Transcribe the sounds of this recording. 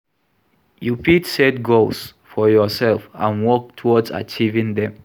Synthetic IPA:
jupitsɛt̚ɡolsfɔjɔsɛlfãnwɔk̚tʰuwɔdsa̰t͡ʃivĩŋdɛ̃m

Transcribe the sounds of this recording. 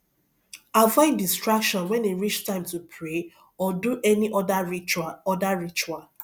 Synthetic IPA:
avɔ̃ɪndistɹakʃɔ̃nwɛ̃neɹit͡ʃtãɪ̃mtupʰɹe | ɔduʔɛniʔɔ | ɔdaɹit͡ʃual

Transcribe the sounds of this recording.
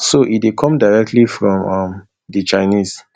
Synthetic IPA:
soʔidekʰɔ̃mdaɪɹɛk̚tʰlifɹɔ̃mam | dət͡ʃaɪniz

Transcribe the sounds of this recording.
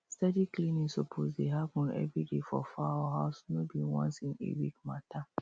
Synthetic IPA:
stadikʰlĩnĩnsopʰozdeɦapʊ̃nɛ̰vɾidefɔ̰faɦaʊsnobĩwãnsĩnḛwik̚matʰa

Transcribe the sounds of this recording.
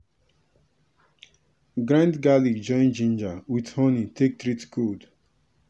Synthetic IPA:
ɡɹãndɡalid͡ʒɔ̃ɪ̃nd͡ʒĩnd͡ʒawithɔ̃nitʰek̚tɹitkud

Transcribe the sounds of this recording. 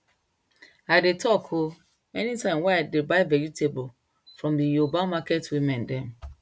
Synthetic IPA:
aɪdetʰɔkʰo | ɛnitãɪ̃mwɛadebaɪvɛd͡ʒutebɔ | fɹɔ̃mdijobãmakɛtwimɛ̃ndɛ̃m

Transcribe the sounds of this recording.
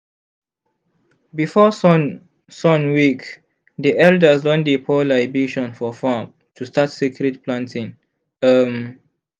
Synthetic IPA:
bifɔ | sɔ̃nwik | diʔɛldəsdɔ̃ndipʰɔlaɪbiʃɔ̃nfɔfam | tʰustatsikɹɛtpʰlãntĩŋ | ʌm

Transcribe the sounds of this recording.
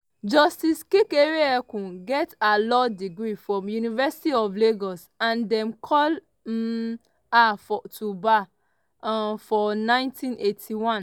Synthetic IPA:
d͡ʒɔstiskikeɹiɛkũɡɛtalɔdiɡɹifɹɔ̃mjunivɛsi̥tiɔvleɡɔs | ãndɛ̃mkʰɔl | afɔtuba | fɔnãɪ̃ntʰĩnetʰiwɔ̃n

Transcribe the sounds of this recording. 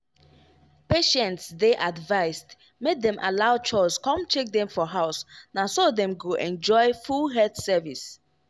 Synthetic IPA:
peʃɛ̃ntsdeʔadvaɪst | mek̚d̪ɛ̃mʔa̰laʊt͡ʃɔɪskɔ̃mt͡ʃek̚dɛ̃mfɔɦaʊsnãsodɛ̃mɡoʔɛ̃nd͡ʒɔɪfulɦɛθsɛvis

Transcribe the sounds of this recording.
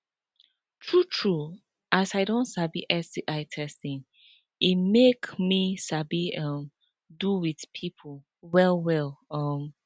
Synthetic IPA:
tʰɹutʰɹu | ʔasaɪdõntsabiʔɛsdiʔaɪtʰɛstɪ̃ŋ | imekmisabiʌm | duwið̥pʰip̩ʰ | wɛlˠwɛlˠʌm

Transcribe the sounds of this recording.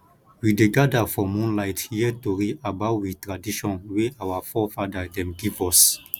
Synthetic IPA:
wideɡadafɔmũnlaɪthiɛtoɹiabatwitɹadiʃɔ̃nweʔawafɔfadadɛ̃mɡivɔs

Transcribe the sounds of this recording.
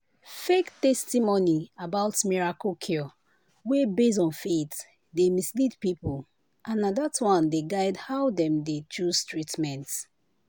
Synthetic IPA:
fektɛstimoniabaʊtmiɹakokʰɔ | webes̬ɔ̃nfet | demislitpipol | ʔãnːadatʰwãndeɡaɪdhawdɛ̃mdet͡ʃuz̥tɹitmɛ̃nt

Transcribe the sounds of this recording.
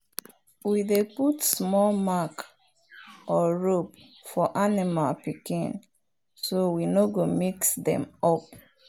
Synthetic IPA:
wideputsmɔlmak | ɔɹop | fɔʔanimalpikĩn | sowinoɡomiksdɛ̰̃mɔp̚

